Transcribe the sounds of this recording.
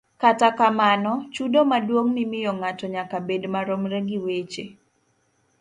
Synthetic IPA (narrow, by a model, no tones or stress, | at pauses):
katakamanɔt͡ʃudomadwoŋnɪmɪjɔŋatɔɲakabedmaɾomɾɛɡiwet͡ʃe